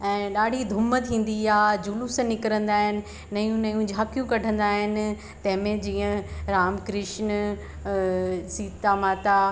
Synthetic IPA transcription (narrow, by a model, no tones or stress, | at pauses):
ɛ̃ːɗaːɖʱid̪ʱʊmət̪ʰĩːn̆d̪iaːd͡ʑulusɐ̃nɪkɾə̃nd̪aːɦɪnɪ̆ːɐjũnɐjũd͡ʑʱaːkijũkɐɖʱə̃nd̪aːɦɪnɪ̆ | t̪ɐ̃ɦɪ̃mẽd͡ʑiːə̃ɾaːmkɾɪʃn | siːt̪amaːt̪a